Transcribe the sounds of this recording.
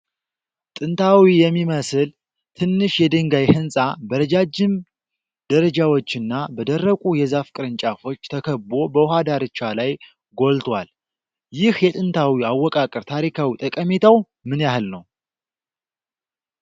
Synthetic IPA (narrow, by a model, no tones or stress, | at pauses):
t̪ʼɨnt̪ʰawijɛmːiməsɨl | t̪ʰɨnːɨʃjɛd̪ɨŋɡajhɨnsʼabəɾəd͡ʒad͡ʒːɪm | d̪̥əɾəd͡ʒawo̞t͡ʃːɪnːabəd̪ərːəkʼujɛzafkʼɨɾɨnt͡ʃʼafo̞t͡ʃːt̪ʰəkʰəbbo̞bəwhad̪aɾɨt͡ʃːalaj | ɡo̞lt̪ʰwal | jɪhjɛt̪ʼɨnt̪ʰawiawːɔkʼakʼɨɾt̪ʰaɾikʰawit̪ʼəkʼəmet̪ʰəw | mɨnjahɨlnəw